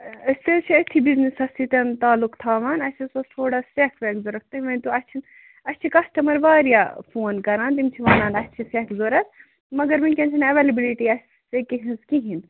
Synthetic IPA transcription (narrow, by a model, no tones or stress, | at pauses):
ɐsʲt̪et͡ʃʰiɐt̪ʰibiznisɐst̪ʰit̪ɐnt̪aːlukt̪ʰaːʋaːnɐt͡ʃʰisɐt̪ʰoːɽast͡ʃekʰʋeːkzoːɾɐk̚ʰt̪ɨʋɐnt̪uɐsʲt͡ʃʰin | ɐsʲt͡ʃʰikɐsʈɐmɐɾbaːɾjaːpʰoːnkɐɾaːnt̪imt͡ʃʰiʋaːnaːnɐsʲt͡ʃʰisekzoːɾɐsʰ | mɐɡɐɾʋɐnʲkʲent͡ʃʰinɐʋelɐbiliʈiɐs | t̪ekiɦĩnskiɦin